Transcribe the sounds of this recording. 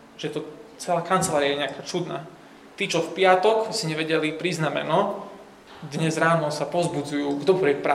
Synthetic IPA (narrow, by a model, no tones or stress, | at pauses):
ʒ̥ɛt̪ɔt͡sɛlaːkant͡sɛlaːɾijajɛɲɛakaːt͡sud̪na̰ː | t̪iːt͡ʃɔfpɪat̪ɔksiɲɛʋɛɟɛlipɾiznamɛ̰nɔ | d̪ɲɛzɾaːnɔsapɔzbud͡zujuːɡd̪ɔpuɾɛk̚pɾa